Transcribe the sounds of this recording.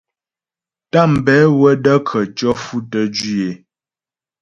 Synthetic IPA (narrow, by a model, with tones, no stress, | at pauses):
ta˦˨m̩˨bɛ˨˦wə˦də˦kʰə˨t͡ʃɔ˦fu˦tə˦d͡ʒi˦e˨˦